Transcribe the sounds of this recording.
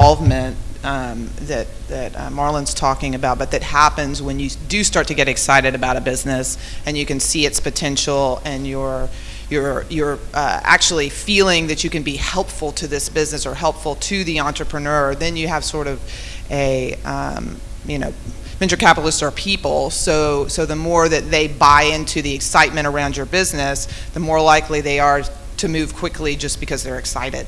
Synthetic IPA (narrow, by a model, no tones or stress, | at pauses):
lˠvmɨ̃n | ʌ̃m | ðɨt̪̚ðɨt̚mɑɹlˠə̃nz̥tʰɔkɪ̃ŋɨbaʊt̚b̥ʌt̪̚ðɨt̚hæpɨ̃nzwɨ̃njɨdɨstɑɹtʰɨɡɛɾɨksaɪɾɨɾɨbaʊɾɨbɪznɨs | ɨ̃njɨkɨ̃nsiɨtspɨtʰɛ̃nʃl̩ˠɨ̃njə˞ | jə˞jə˞ʔʌ̰æ̰k̚t͡ʃul̩ˠifilˠɪ̃ŋðɨt͡ʃɨkɨ̃nbihɛlˠpfl̩ˠtʰɨðɪsb̥ɪznɨsə˞ɦɛlˠpfl̩ˠtʰɨðiɑ̃nt͡ʃɹ̥əpʰɹ̥ɨnɜ˞ðɨ̃njɨəv̥sɔɹɾʌv | ʔɨʌ̰̃m | jɨño̰ʊ | mɪ̃nt͡ʃə˞kʰæpəɾl̩ˠəstsə˞pʰipl̩ˠsoʊsoʊðəmɔɹðɨt̪̚ðeɪbaɪɪ̃ntʰʉðiɨksaɪt̚mɨ̃ɾ̃ə˞ãʊ̃nd͡ʒə˞bɪznɨsðɨmɔɹlaɪkliðeɪə˞ | ɾɨmʉv̥kʰw̥ɪkʰlid͡ʒʌsb̥ɨkʰʌzðə˞ɨksa̰ɪɾɪ̰d̥